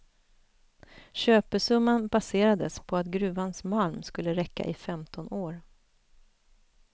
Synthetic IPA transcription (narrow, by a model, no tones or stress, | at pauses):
ɕøːpəʂɵmːanbaseːɾad̪əspʰɔat̪ɡɾʉ̟ːvansmalmskɵlːəɾɛkːa̰ʔɪfɛmt̪ʰɔnoːɾ